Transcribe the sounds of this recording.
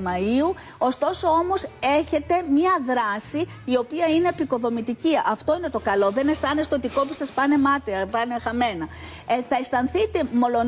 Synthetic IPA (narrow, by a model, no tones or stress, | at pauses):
mɐiu | o̞st̪o̞so̞o̞mo̞se̞çe̞t̪e̞mɲɐðɾɐsiː | o̞piɐine̞ːpiko̞ðo̞mit̪iciɐft̪o̞ine̞t̪o̞kɐlo̞ðe̞ne̞st̪ɐnest̪eot̪iko̞pi̥sɐspɐne̞mɐt̪eɐpɐnexɐme̞nɐ | θɐest̪ɐnθit̪e̞mo̞lo̞